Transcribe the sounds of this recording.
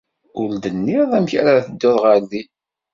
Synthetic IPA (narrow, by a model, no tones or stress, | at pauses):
ʊɾd̪ənːɪðˤæmçæɾaθəd̪ːoðˤʁəɾði